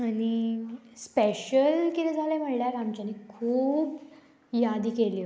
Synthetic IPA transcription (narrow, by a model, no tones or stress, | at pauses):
añispeɕəlkit̪ɛ̃d͡zʱalem̤əɽljaɾamt͡ɕanikʰuːb | jad̪iːkeliː